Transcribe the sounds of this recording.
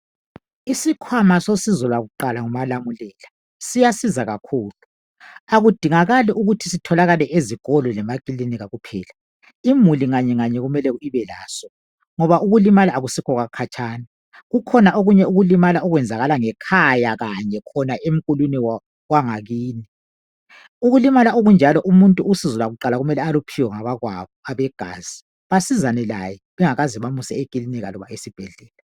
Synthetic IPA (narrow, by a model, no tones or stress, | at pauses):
isikʰwamasosizɔlwaɣuǃalaŋumalamulɛla | sijasizaɣakʰuːlu | aɣud̥ʱiŋaɣalɛʔuɣutʰisitʰɔlaɣalɛʔeziɣɔlɔlɛmakʼiliniɣaɣupʰɛːla | imuliŋaɲɛŋaɲɛɣumɛlɛiβɛla̰ːsɔ | ŋɔβaʔuɣulimalaːɣusikʰɔɣakʰat͡ʃʰʼaːna | ɣukʰɔnaoɣuɲɛuɣulimalaɔɣwɛnd͡zʱaɣalaŋɛkʰajaɣaɲɛkʰɔnaʔem̩kʼuluni | waŋaɣiːni | uɣulimalaoɣund͡ʒʱalɔʔumuntʼuusizulaɣuǃalaɣumɛlɛalupʰiwɔŋaβaɣwa̰βɔaβɛɡ̥ʱa̰ːz̥i | βasizanɛla̰jɛβɛŋaɣaziβamusɛ̰ekʼiliniɣa̰lɔβa̰esib̥ʱɛɮɛːla